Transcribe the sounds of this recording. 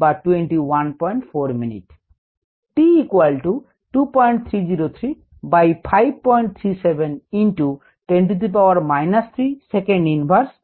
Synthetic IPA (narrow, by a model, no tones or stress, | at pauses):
baʈweɳʈiwanpɔjɳʈfʰoɾminḭʈ | ʈiikwalʈu | ʈupɔjɳʈ̚t̪ʰɾiziɾot̪ʰɾi | bajpʰajb̚pɔjɳʈ̚t̪ʰɾisebʱeninʈu | ʈweɳʈ̬it̪̬ʰip̬awaɾmajnast̪ʰɾisekeɳɖinbʱaɾs